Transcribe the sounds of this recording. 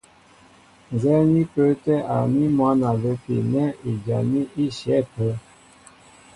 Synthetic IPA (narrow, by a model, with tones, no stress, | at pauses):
n˨zɛ˦ni˦pə˦tɛ˦ʔa̰˨mi˦mwa˦na˨lə˨pḭ˨nɛ˦i˨d͡ʒa˨ni˦ʔi˦ʃɛ˨˦˨pə˨˦